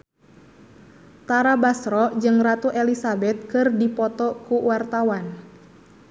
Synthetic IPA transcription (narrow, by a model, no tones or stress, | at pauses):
t̪aɾabasɾɔd͡ʒɨŋrat̪uʔɛlisabɛt̪̚kɨrdipɔt̪ɔkuwart̪awan